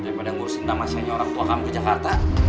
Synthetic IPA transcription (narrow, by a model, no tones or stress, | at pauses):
daipadaŋuɾʊsənt̪amasaɲaoɾaŋt̪uaŋamkəd͡ʒakart̪a